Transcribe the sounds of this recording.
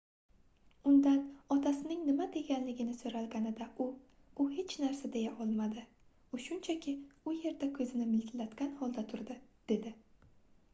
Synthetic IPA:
ʊnd̪anɒt̪ʰasɪnɪŋnɪmad̪e̞ɡʲanlɪɡʲɪnɪsoɾalˠɡʲanɪd̪aʔʊ | ʊhe̞t͡ʃnaɾsad̪e̞jaʔɒlˠmad̪ɪ | ʊʃʊnt͡ʃʰakʲɪʊje̞ɾd̪akʲʰɵzɪnɪmɪlɡʲɪlat̪ɡʲanhɒlˠd̪at̪ʰʊɾd̪ɪd̪̥e̞d̪ɪ

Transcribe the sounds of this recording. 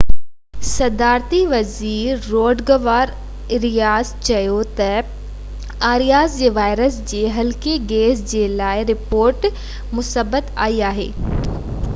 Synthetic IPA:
sɐd̪aːɾt̪iʋɐziːɾːoːɖɡɐʋaːɾ | ɪɾijaːzt͡ɕɐjot̪ɐ | aːɾijaːzd͡ʑeːʋaːɪɾəsd͡ʑeːɦɐlkeɡeːsd͡ʑeːlaːɪɾɪpoːɾʈ | mʊsəbət̪a̰ːiaːɦḛː

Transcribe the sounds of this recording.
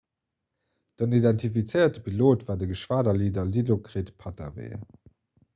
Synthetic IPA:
d̥ənidɛntʰifit͡səɪɐtəpʰiloːtvaːɐdəɡəʃv̥aːdɐliːdɐlilokʁeːtpʰɑta̰vḛːə̰

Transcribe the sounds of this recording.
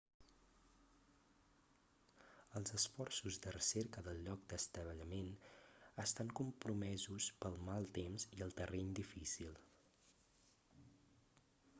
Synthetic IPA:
əlˠzəsfɔrsuzd̪ərəseɾkəðəlˠʎɔk̚d̪əst̪əβ̞əʎəmenəst̪aŋkumpɾumɛzuspəlˠmalˠt̪emziəlˠt̪ərʔɛɲd̪ifisilˠ

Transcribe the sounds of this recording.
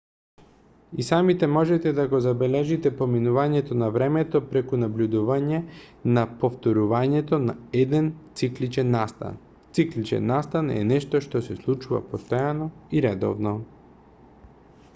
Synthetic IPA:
isamit̪ɛmɔʒɛt̪ɛd̪aɡozabɛlɛʒit̪ɛpominuvaɲɛt̪ɔnavɾɛmɛt̪ɔpɾɛkunablʲud̪uvaɲɛnapoft̪oɾuvaɲɛt̪onaɛd̪ɛnt̪siklit͡ʃɛnːast̪a̰n | t̪siklit͡ʃɛ̰nːast̪anɛ̰nɛʃt̪ɔʃt̪ɔsɛslˠut͡ʃuva̰post̪ɔjanɔiɾɛd̪ɔ̰vnɔ

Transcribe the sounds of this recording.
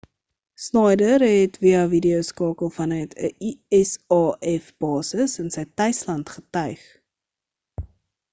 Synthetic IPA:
snɑjdərɦɛtviɐvidiəwskɑːkəlˠfɐnœɥtʰəʔiɛsɑːʔɛfb̥ɑːsəsənsəjtœɥslɐntχətœɥχ

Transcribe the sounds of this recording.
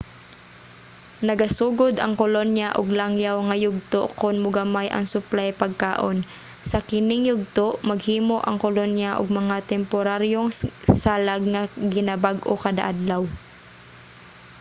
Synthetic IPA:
nɐɡɐsuːɡod̪ɐŋkolonjaʔo̰ɡlaŋjawŋɐjʊɡ̚t̪oʔkʊnmʊɡɐmajʔɐ̰ŋsʊplajpɐɡ̚kaːʔon | sɐkɪnɪŋjʊɡ̚t̪oʔmɐɡhiːmoʔɐŋkolonjaʔoɡ̚mɐŋat̪ɛmpoɾaɾjoŋsaːlaɡ̚ŋɐɡɪnɐbaɡokɐd̪a̰ʔad̪law

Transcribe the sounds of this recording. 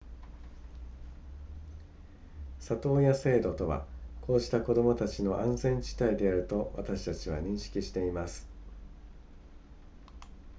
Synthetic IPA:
sat̪o̞ːjase̞ːd̪o̞t̪o̞βa̰kʰo̞ːʑi̥t̪ako̞d̪o̞mo̞t̪at͡ɕino̞ʔãñzẽ̞ɲt͡ɕi̥t̪aid̪e̞aɾɯ̟t̪o̞βa̰t̪aɕi̥t̪at͡ɕiβa̰ɲ̟ĩɰ̃ɕi̥kʲiɕi̥t̪e̞imasɨ̥

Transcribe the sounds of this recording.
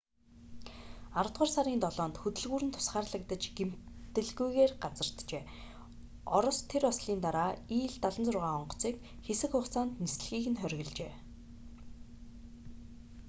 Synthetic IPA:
aɾə̆t̪ʁɔːrsaɾiːnt̪ɔɮɔːnt̪xɵt̪ɵ̆ɮɣuːɾɘ̆nt̪ʰʊ̥sχaːrɮə̆k̚t̪ə̆t͡ɕɡ̥em̥t̪ɘ̆ɮɣujɣeːrɢat͡sə̆r̥t̪t͡ɕeː | ɔɾɞ̆st̪ʰeɾɔsɮiːnt̪aɾaːiːɮt̪aɮə̆nt͡sʊrʁaːɔɴɢɞ̥̆t͡siːk | xesɘ̆kχʊχt͡saːnt̪nis̆ɮxiːxɘ̆nχœɾʲɣɘ̆ɮt͡ɕeː

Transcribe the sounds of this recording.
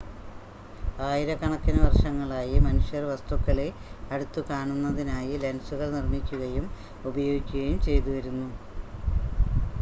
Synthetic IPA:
aːjiɾɐkɐɳɐkːinɐʋɐrʂɐŋːɐɭaːjimɐnuɕjɐrʋɐst̪ukːɐɭe | ɐɽut̪ːukaːɳunːɐðinaːjilɐnsuɣɐɭnirmikʲːuɣɐjum | ubɐjoːɡikʲːuɣɐjumt͡ɕe̞jt̪uʋɐɾunːu

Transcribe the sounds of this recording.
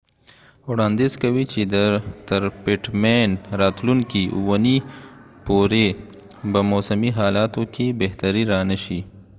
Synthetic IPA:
ʊɽãːnd̪iːzkɐwit͡ʃid̪t̪ɐɾpeʈmeːnɾaːt̪lunkiwɐnipoːɾe | bɐmoːsɐmiɦaːlaːt̪õkibeɦt̪ɐɾiɾaːnɐʃi

